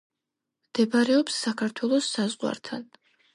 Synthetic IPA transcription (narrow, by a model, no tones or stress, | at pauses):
md̪̥ɛbaɾɛɔpsːakʰaɾt̪ʰwɛlˠɔsːazʁwa̰ɾt̪ʰan